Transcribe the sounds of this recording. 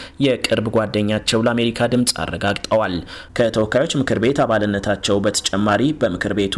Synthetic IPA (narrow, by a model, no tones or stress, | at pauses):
jɛkʼɨɾbɡʷad̪ːəɲːat͡ʃːɛwləame̞ɾikʰad̪ɨmsʼa̰rːə̰ɡaɡt̪ʼəwalkʰət̪ʰəwɔkːajo̞t͡ʃːmɨkʰɨɾbe̞t̪aβalɨnːət̪ʰat͡ʃːɛwbət̪ʰə̥t͡ʃʼɛmːaɾibəmɨkʰɨɾbe̞t̪ʰ